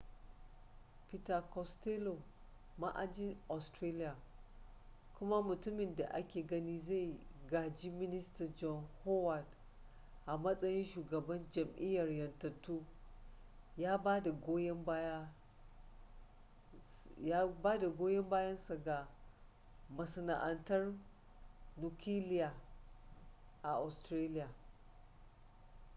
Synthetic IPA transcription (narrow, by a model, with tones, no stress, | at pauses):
pi˦ta˨kɔ˨ste˦lo˨ | ma˦ʔa̰˨d͡ʒɪ˦nʔa˨stɾeː˦lɪ˦jaː˨ | kʷʊ˦ma˦mʊ˨tʊ˦mɪ˨nda̰˨ʔa˦kʲeː˨ɡɐ˦niː˦za˦˨jɡaː˨d͡ʒi˦mɪ˦nɪ˦stɐ˨d͡ʒɔ˦nho˦wa˨d | ʔa˨mɐ˦sʼɐ˦jɪ˦nʃuː˨ɡɐ˨bɐ˦nd͡ʒɐ˨mʔɪ˦jːɐ˨rjɐ˨ntɐ˨tːuː˦ | jaː˦baː˦da˨ɡoː˦jɛ˦mb | a˦baː˦da˨ɡʷoː˦jɛ˦mbaː˦jɐ˦nsa˨ɡa˨ | mɐ˨sɐ˨na̰˨ʔɐ˨ntɐ˦r | nu˨kʲiː˦lɪ˦jaː˨ | ʔa˨ʔa˨stɾeː˦lɪ˦jaː˨